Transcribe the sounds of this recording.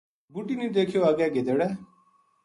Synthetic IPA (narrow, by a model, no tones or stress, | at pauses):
buʈiːnĩːd̪eːkʰijoaːɡɛːɡed̪eɽɛː